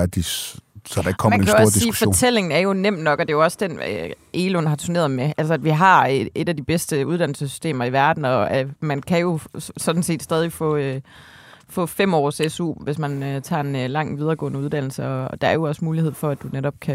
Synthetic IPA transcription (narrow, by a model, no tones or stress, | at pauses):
d̥isɒd̥ɑɪkʰmænkʰæjooɒ̰d̥isiiːufɒo̰t͡sʰel̰e̝ŋn̩æɐjo̝nem̰d̥nɒ̽ɡ̥ɒ̽d̥e̝jo̝ɒ̽sd̥en̰ø̰ʔeːlonɦɑ̈t͡sʰuɐne̝̰ːɐð̩ˠmeʔælsəædʋiɦɑ̈e̝d̥æd̥ib̥esd̥əuð̞̥ˠæn̰l̩səsy̥sd̥e̝̰ːmɐiʋæɐd̥n̩ɒ̽æmænkʰæjo̝sɒ̽d̥n̩se̝̰ːd̥sd̥ɛːðˠifɔ̰̽ː | fɔ̰̽ːfem̰ɒ̰ːsesṵːʋe̝smænøt͡sʰɑ̰̈ːe̝nlɑ̈ŋ̰ʋið̞ˠɐːɡ̥ɔ̰̽ːnəuðˠd̥æn̰l̩səɒ̽d̥ɑ̈æɐjo̝ɒ̽smuːlihe̝ð̰ˠfɒ̽æd̥uneɾɒ̽b̥̚kʰæ